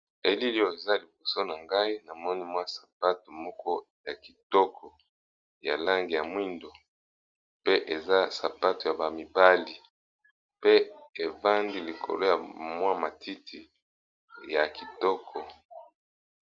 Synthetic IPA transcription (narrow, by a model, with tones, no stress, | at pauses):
e˨li˦li˦jo˦˨e˨za˦li˨bo˨so˦na˨ŋɡa˦i˦na˨mɔ˦ni˦mwa˦sḁ˨p̚a˦to˨mɔ˦kɔ˦ja˨ki˨tɔ˦kʰɔ˨ | ja̰˨la˦ŋɡi˨ja˨mwi˦ndo˨ | pe˦ʔe˨za˦sa˨pa˦to˨ja˨ba˨mi˨ba˦li˨ | pe˦e˨va˦ndi˦li˨kʰo̰˨lo˦ja˨mwa˦ma˨tʰi˦tʰi˨ | ja˨ki˨tɔ˦kʰɔ˨